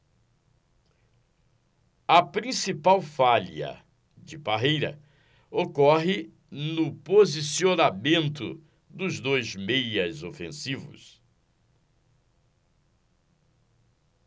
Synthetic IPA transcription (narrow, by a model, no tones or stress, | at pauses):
ɐpɾĩsipawfaliɐ̰ | d͡ʒɪbaɦejɾɐ̰ | okɔɦɪ | nʊpozisionamẽnt̪ʊ̰ | d̪ʊzd̪ojzmejɐzofẽsivʊ̰s